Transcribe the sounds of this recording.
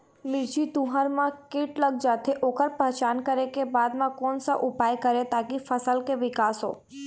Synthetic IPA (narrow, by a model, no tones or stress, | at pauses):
mɪɾd͡ʒit̪ũɦaɾmãkɪːʈlɐɡ̚d͡ʒaːt̪eʔoːkəɾpɛɦt͡ʃaːnkɐɾekebaːd̪mãkɔːnsaʔʊpaːjkɐɾet̪aːkifɐsəlkeʋɪkaːsɦo̰ː